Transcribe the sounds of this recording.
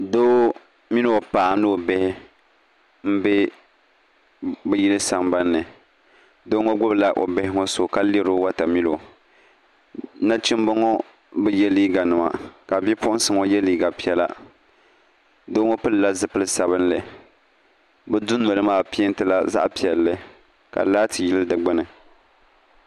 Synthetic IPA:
do˦ | mi˦no˨o˨pa˨ʔa˨mlɨ˦o˨bɛ˦hɪ˦ | m̩˦be˦ | bɨ˦ji˦lɨ˦sa˨mba˦nːɨ˨ | doː˦ŋo˦ɡʊ˦bla˦ʔo̰˨bɛ˦hɪ˦ŋɔ˦so˨ka˦li˦ɾo˦wa˦ta˨mi˦no̰˨ | na˦t͡ʃi˦m˦bo˦ŋɔ˦ | bɨ˦jɛ˦liː˦ɡa˨nɨ˨ma̰˨ka˨bi˦pʊ˦ʔʊ˦sɨ˨ŋɔ˨jɛ˦liː˦ɡa˨pi˦ɛ˦la̰˦ | do˦ŋo˦pɨ˦lɨ˦˨la˦zɨ˦pɨ˦lɨ˦sa˨βɨ˦n˦lɨ˨ | bɛ˦dʊ˦no˨lɨ˦maː˦˨pi˦ɪ˦n˦tɨ˦la˦za̰˦ʔpi˦ɛ˨lːɨ˦ | ka̰˨laː˦tɨ˨ji˦lɨ˦dɨ˨ɡ͡bɨ˦nɨ˨

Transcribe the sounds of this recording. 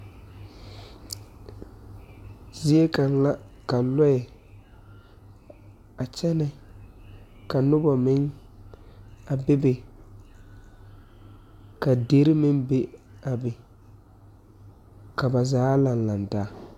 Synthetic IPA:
zi˦e˦ka˨nla˦ka˨lɔ˦ɛ˨ | a˨t͡ʃɛ˦nɪ˨ | ka˨nʊ˦ba˨mɪ˦ŋ | a˨bɪ˦bɪ˨ | ka˨de˦ɾɪ˦mɪ˦nbe˦ | a˨bɪ˨ | ka˨ba˨zaː˨˦la˨n˨la˨ndaː˦

